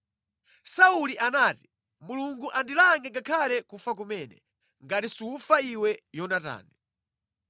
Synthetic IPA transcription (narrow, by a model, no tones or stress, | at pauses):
sauliʔanaːti̥ | muluŋɡuʔandilaŋɛŋɡakʰalɛkufak̬umɛːnɛ̰ | ŋɡatisiufaiwɛjɔnata̰ːni